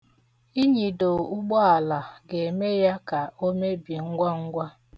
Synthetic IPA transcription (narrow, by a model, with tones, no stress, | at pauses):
i˦ɲi˨do˨u˦ɡ͡bɔ˦a˨la˨ɡe˨me˦ja˦ka˨o˦me˦bi˨ŋ̩˦ɡʷa˦ŋ̩˦ɡʷa˦